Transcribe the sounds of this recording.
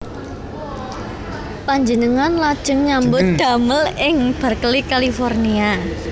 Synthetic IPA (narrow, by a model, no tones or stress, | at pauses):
paɲd͡ʒənəŋanlad̥ʒ̥ə̤ŋɲambʊt̪̚d̪̥ä̤məlɪŋb̥ə̤rkəlikalifɔrnia